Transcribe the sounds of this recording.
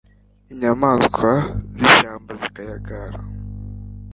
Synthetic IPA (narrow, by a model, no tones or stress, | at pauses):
iɲamaːskʰwaziʃaːmbazikajaɡaɾa